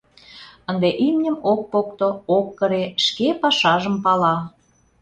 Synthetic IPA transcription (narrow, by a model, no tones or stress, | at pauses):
ənd̪eʔimnʲə̆mok̚pokt̪ookːəɾeʃkepɑʃɑʒəmpɑlɑ